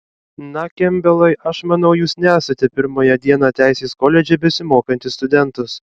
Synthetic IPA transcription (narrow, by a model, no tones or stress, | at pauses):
nɐkʲɛmʲbʲɛlˠɐɪʔɐʃmɐnɐʊjuːsnʲæːsɐt̪ʲɛpʲɪɾmoːjɛd̪ʲiɛnɑt̪ʲæˑɪsʲeːskoːlʲɛd͡ʒʲɛbʲɛsʲɪmoːkɐnʲt̪ʲɪst̪ʊd̪ʲɛnˑt̪ʊs